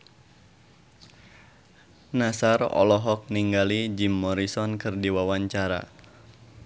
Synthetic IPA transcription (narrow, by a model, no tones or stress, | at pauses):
nasarɔ̰lɔɦɔk̚niŋɡalid͡ʒimːɔɾisɔnkɨrdiwawaɲt͡ʃaɾa̰